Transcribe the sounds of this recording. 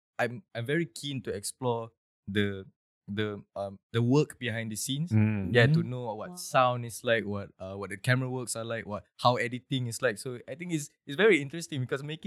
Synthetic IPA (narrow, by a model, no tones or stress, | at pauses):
ʔãɪmãɪ̃ɱvɛɹikʰĩntuɛksplɔ | d̪ə | d̪əʌ̃md̪əwəkbihãj̃ndisĩnsjatunowɔt̚sãʊ̃ndɪslaɪk̚wɔt̚ʌwɔt̚dəkɛməɹəwəksalaɪkwɔt̚hawɛditɪ̃ŋɪslaɪksoajt̪ɪ̃ŋkɪts | ɪtsvɛɹiĩntɹɛstĩŋbikɔsmekɪ̃